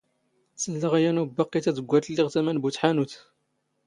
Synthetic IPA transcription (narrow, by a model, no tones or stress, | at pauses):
t͡sːəlːəʁjænubɑqːit̪æd̪əɡʷːæt̪əlːiʁt̪æmænbut̪ħanut̪